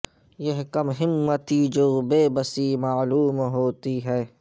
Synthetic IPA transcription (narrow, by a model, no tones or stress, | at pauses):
jeɦkɐmɦɪmːət̪id͡ʒoːbeːbəsimaːluːmɦoːt̪iɦɛː